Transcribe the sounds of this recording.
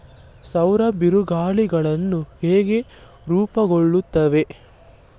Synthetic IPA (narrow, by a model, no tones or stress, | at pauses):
sɐwɾɐbiɾuɡaːɭiɡɐɭɐnːuheːɡe̞ | ɾuːpɐɡoɭːut̪ːɐʋe̞